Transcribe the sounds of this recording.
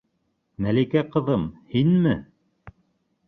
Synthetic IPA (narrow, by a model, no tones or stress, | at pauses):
mælikæqɤ̆ðɤmhinmɘ